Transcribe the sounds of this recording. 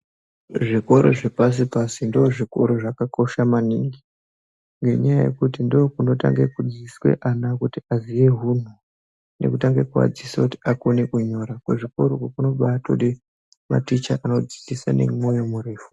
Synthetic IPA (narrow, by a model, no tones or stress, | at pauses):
ʐiko̞ɾo̞̰ʐepas̬ipasindoːʐiko̞ɾo̞ʐakako̞ʃamaniŋɡi | ŋɡe̞̰ɲajaje̞̰kutindoːkuno̞ta̰ŋɡekud͡ziswe̞̰ʔanakutiazije̞ɦun̤u | ne̞̰kutaŋɡekua̰d͡zisakuti̥ako̞nekuɲo̞ɾakweʐiko̞ɾokwokuno̞ɓato̰ɗi | ma̰tit͡ʃaʔano̞d͡zi̥t͡sisa̰ne̞̰mwo̞jo̞muriːfu̥